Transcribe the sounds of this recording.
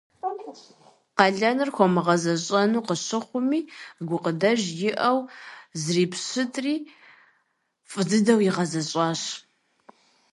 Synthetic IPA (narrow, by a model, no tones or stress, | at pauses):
qɑɮɐnɨrxʷɔmɨʁɐzɐɕʼɐnuːqəɕɨχʷʊmiːɡʷʊqədɐʒjɪʔɐwzriːpʰɕɨtʰʼriː | fʼɨdɨdɐwjiʁɐzɐɕʼɑːɕ